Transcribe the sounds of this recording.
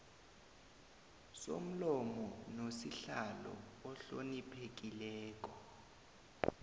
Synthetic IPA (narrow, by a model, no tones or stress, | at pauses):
so̰m̩lɔmɔnosiɬalɔ̰ɔɬonipʰek̬ilɛːk̬ʼɔ